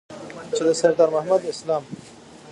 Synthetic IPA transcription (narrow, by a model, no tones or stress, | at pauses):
t͡ʃed̪əsaɾd̪ɑːɾmahmad̪ɪslɑm